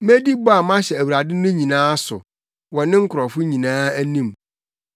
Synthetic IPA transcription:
mæ˦di˦bɔ˦a˨mã˦ɕɛ˨æ˨wɾa˨dɪ˦nʊ̃˦ɲĩ˨nãː˦sʊ̰˨ | wɔ˨nɪ̃˦ŋ̩˦kʰʊ˨ɾɔ˨fʊ˦ɲĩ˨nãː˦æ˦nĩ˦˨m

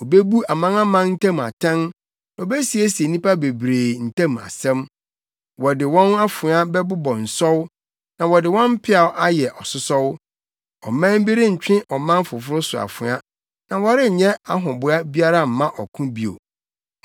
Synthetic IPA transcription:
o˨be˦bu˦a˨mã˦na˦mã˦n̩˦tʰã˦m˨a̰˨tʰã˦n˨ | o˨be˦si˨e˦si˨e˨nĩ˦pʰa˦be˨bɾeː˨n̩˨tʰã˦m˨a̰˨sɛ̃˦m | wɔ˨dɪ˨wɔ̃˦na˦fʊ̃˨˦a˦bɛ˦bʊ˦bɔ̃˨n̩˨sɔ˦w | nã˨wɔ˨dɪ˨wɔ̃˦m̩˦pʰɪ˦a˨wʔa˦jɛ˨ʔɔ˨sʊ˦sɔ˦w | ɔ̰˨mã˦m˦bi˦ɾɪ˦ɲ̩˨t͡ɕᶣɪ̃˦ʔɔ˨mã˦n˦fʊ˨fʊ˦ɾʊ˦sʊ˨a̰˨fʊ̃˨˦a˦ | nã˨wɔ˨˦ɾɪ˦˨ɲɛ̃˦a˦ɦʊ̃˨bʊ˨˦a˦bi˦a˦ɾa˦˨m̩˨mã˦ʔɔ˨kʰʊ̃˦bi˨o̰˨

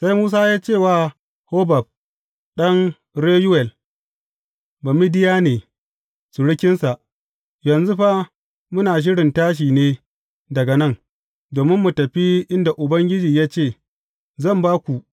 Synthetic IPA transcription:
sa˦jmuː˦s̬aː˦jaː˦t͡ʃeː˦˨waː˦ | hoː˦ba˨b̚ | ɗɐ˦ŋ | ɾeː˦ju˦wɛ˨l | ba˨mi˦dɪ˦jaː˦neː˨ | su˨ɽɪ˦kʲɪ˦nsa˨ʔ | jɐ˨nzu˦ɸa˦ | mʊ˦naː˨ʃ̬ɪ˦ɽɪ˨ntaː˦ʃ̬iː˨neː˦ | dɐ˨ɡɐ˨nɐ˦˨ŋ | doː˨mɪ˦mːu˨tɐ˨ɸi˦ʔɪ˦nda˨ʔʊ˨bɐ˦ŋɡʲɪ˦d͡ʒiː˨jaː˦t͡ʃeː˦˨ | zɐ˦˨mbaː˦kʷu˨ʔ

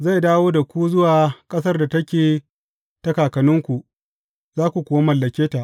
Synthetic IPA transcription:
za˦˨jdaː˦woː˦da˨kʷu˦zʊ˦waː˨kʼɐ˦s̬ɐ˦rda˨tɐ˦kʲeː˨ | tɐ˦kaː˨kɐ˨nʊ˦ŋkʷu˨ | zaː˦kʷu˨kʷoː˨˦ma˦mɐ˨lːɐ˨kʲeː˦ta˨ʔ

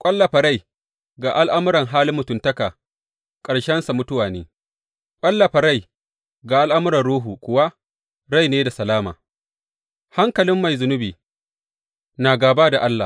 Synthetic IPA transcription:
kʷʼɐ˦lːɐ˨ɸa˨ɽa˦˨j | ɡa˨ʔa˦lʔa˦mʊ˦ɾɐ˨ŋɦaː˦lɪ˦mːʊ˨tʊ˨ntɐ˦kaː˨ | kʼɐ˨ɽʃɛ˦nsa˨mʊ˦tʊ˦waː˨neː˦ | kʷʼɐ˦lːɐ˨ɸa˨ɽa˦˨j | ɡaː˨ʔa˦lʔa˦mʊ˦ɾɐ˨nɽuː˦ɦu˨kʷʊ˦wa˦ | ɾa˦˨jneː˦da˨sɐ˨laː˦ma̰ː˨ | ha˦ŋkɐ˨lɪ˦mːa˨jzʊ˨nʊ˦biː˨ | naː˨ɡaː˨baː˦da˨ʔa˦lːa̰˨

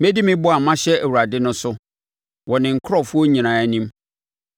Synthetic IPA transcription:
mɛ˦di˦mɪ̃˦bʊ˦a˨mã˦ɕɛ˦æ˨wa˨dɪ˦nʊ̃˦sʊ˦ | wɔ˨nɪ̃˨ŋ̩˨˦kʰɾɔ˦fu˦ɔ˦ɲĩ˨nãː˨æ˨nĩ˦m

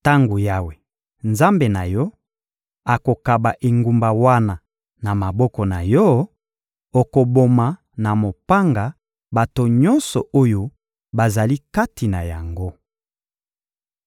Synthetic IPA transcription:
ta˦ŋɡo˨ja˦we˨ | nza˦mbe˨na˨jɔ˦ | a˨ko˨ka˨ba˨ʔe˨ŋɡu˨mba˨wa˦na˨ | na˨ma˨bɔ˦kɔ˨na˨jɔ˦ | o˨ko˨bo˨ma˨ | na˨mo˨pa˦ŋɡa˨ | ba˨to˨ɲɔ˦nsɔ˨ʔo˦jo˦ | ba˨za˨li˦ka˦ti˨na˨ja˨ŋɡo˦

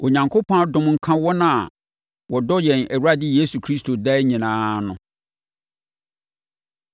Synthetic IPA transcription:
o˨ɲã˨ŋkʰo˦pʰɔ̃˦a˦dʊ̃˨mŋ̩˨kʰã˦wɔ˦nã˦a̰˨ | wɔ˨dɔ˦jɛ̃˨næ˨wu˦ɾa˦dɪ˦jeː˦su˨kʰɾi˦stʰo˨dɛ˦ɲĩ˨nãː˦nʊ̃˨

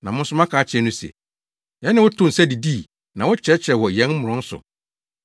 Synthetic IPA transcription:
nã˨mʊ̃˦n̩˦sʊ˦mã˦kʰaː˨˦t͡ɕʰɛ˨˦nʊ̃˦sɛ̰˨ | jɛ̃˦nɪ̃˦wɔ˦tʰõ˦n̩˨sɛ˦di˨di˦˨ | nã˨wɔ˦t͡ɕʰɛ˨˦t͡ɕʰɾɛ˨wɔ˨jɛ̃˦nm̩˦ʊ̃˨ɔ̃˦n̩˦sʊ̰˨

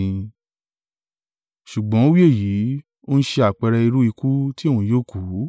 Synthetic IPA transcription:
ĩ˧ | ʃu˨ɡ͡bɔ̃˨˦o˦wi˦e˦˨ji˨˦ | o˦n̩˦ʃe˧a˨k͡pɛ˧ɾɛ˧i˧ɾu˦i˧ku˦ti˦e˦˨wũ˨joː˦˨ku˨˦

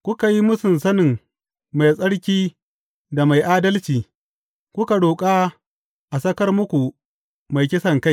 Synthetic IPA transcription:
kʷʊ˦ka˨ji˦mʊ˦sɪ˨nsɐ˦nɪ˨ŋ | ma˨jsʼɐ˦ɽkʲiː˦ | da˨ma˨jʔaː˦dɐ˦lt͡ʃiː˨ | kʷʊ˦ka˨ɽoː˨kʼa˦ | ʔa˨sɐ˦kɐ˦rmʊ˦kʷu˨ | ma˨jkʲɪ˦sɐ˨ŋka˦j

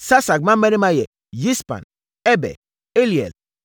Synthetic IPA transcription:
sa˦sa˨k̚ma˦m̩˦e˦ni˦ma˦jɛ˨ | ji˦spa̰˨n | e˦bɛ̰˨ | e˦li˨ḛ˨l

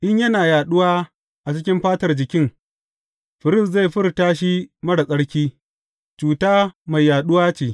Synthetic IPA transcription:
ʔɪ˦ɲjɐ˦naː˨jaː˨ɗʊ˦waː˦ | ʔa˨t͡ʃɪ˦kʲɪ˦mɸaː˦tɐ˨rd͡ʒɪ˨kʲɪ˦ŋ | ɸɪ˨ɾɪ˦˨s̬za˦˨ɸɪ˦rtaː˦ʃ̬i˦mɐ˦ɽa˨kʼɐ˦ɽkʲiː˦ | t͡ʃuː˨taː˦ma˨jːaː˨ɗʊ˦waː˦t͡ʃeː˨

